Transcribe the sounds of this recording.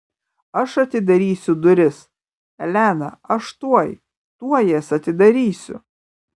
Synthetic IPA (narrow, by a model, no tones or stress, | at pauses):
ɐʃɐt̪ʲɪd̪ɐɾʲiːsʲʊd̪ʊɾʲɪs | ɛlʲænɐ̰ɐʃt̪uɔj | t̪uɔjɛsɐt̪ʲɪd̪ɐɾʲiːsʲʊ̰